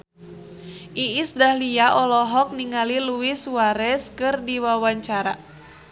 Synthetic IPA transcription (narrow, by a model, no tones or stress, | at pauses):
ʔiʔːsdahliaʔɔlɔɦɔk̚niŋaliluisuaɾɛskɨrdiwawaɲt͡ʃaɾa